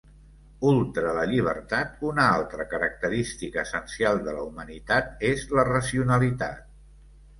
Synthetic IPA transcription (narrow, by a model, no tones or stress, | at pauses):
ulˠt̪ɾələʎiβ̞ərt̪at̪unəalˠt̪ɾəkəɾək̚t̪əɾist̪ikəːsənsialˠd̪ələumənit̪at̪̚ezlərəsiunəlit̪a̰t̪̚